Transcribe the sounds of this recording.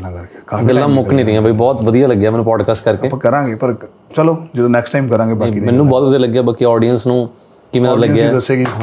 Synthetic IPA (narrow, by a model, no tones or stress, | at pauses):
akɾkːkaɡəlːãːmʊknĩːd̪ĩãːbibɔːt̪ʋəd̪ijaːləɡːjaːmɛːnːũpɔːɖkaːsʈkəɾkeːãːkəɾãːɡeːpəɾ | t͡ʃəloːd͡ʒɪd̪õːnɛːksʈaːɪmkəɾãːɡeːbaːiːmɛːnũːbɔːt̪ʋəd̪ijaːləɡːjaːbaːkiɔːɖijənsnũː | kimẽləɡːjɛd̪əsːeːɡiː